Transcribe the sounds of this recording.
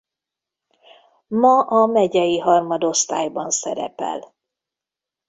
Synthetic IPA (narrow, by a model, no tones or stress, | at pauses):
mɒʔɒmɛɟɛjiɦɒrmɒd̪o̞st̪a̰ːjbɒnsɛɾɛ̰pɛ̰l